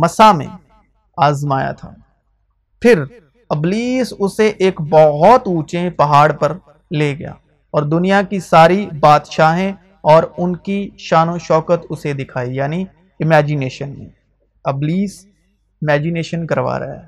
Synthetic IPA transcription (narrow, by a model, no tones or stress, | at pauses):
mɐsamḛ̃ | aːzmaːja̰t̪ʰa̰ː | pʰɪɾ | ɐbliːsʊseʔeːkbɔɦɔt̪uːt͡ʃẽpɐɦaːɽpɐɾ | leːɡɐja̰ː | ɔːɾd̪ʊnijakisaːɾibaːd̪ʃaːɦɛ̃ | ɔːɾʊnkiʃaːnõʃɔːkət̪ʊsed̪ɪkʰaːijaːni | ɪmɛːd͡ʒɪneːʃənmḛ̃ | ɐbliːs | ɪmɛːd͡ʒɪneːʃənkɐɾʋa̰ːɾɐ̰ɦaː